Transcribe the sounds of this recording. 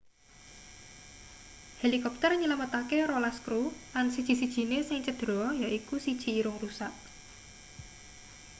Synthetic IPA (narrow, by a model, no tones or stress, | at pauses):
helikɔp̚t̪ərɲələmət̪akeɾolaskɾulansid̥ʒ̥i̤sid̥ʒ̥i̤nesɪŋt͡ʃəd̪̥ɾɔjaʔikusid̥ʒ̥i̤ːɾʊŋrusaʔ